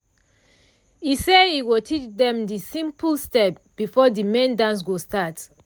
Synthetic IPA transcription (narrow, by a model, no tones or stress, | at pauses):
iseiwitʰit͡ʃdɛ̃mdisĩmpulstɛp | b̥ifɔdimɛ̃ndãns̬ɡostat